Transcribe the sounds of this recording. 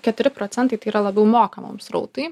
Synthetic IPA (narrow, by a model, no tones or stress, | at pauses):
kʲɛt̪ʊɾʲɪpɾoːt̪sʲɛnt̪ɐɪt̪ɐɪiːɾɐlˠɐbʲɛʊmoːkɐmo̰ːmsɾɐ̰ʊt̪ɐɪ